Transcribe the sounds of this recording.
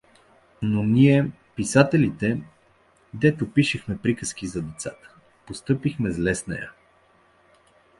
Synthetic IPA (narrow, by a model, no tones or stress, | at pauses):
noniɛ | pisat̪ɛlit̪ɛ | d̪ɛt̪opiʃɛxmɛpɾikəskizɐd̪ɛt̪sat̪ə̥ | post̪ɤpixmɛzlɛsnɐ̰jə̰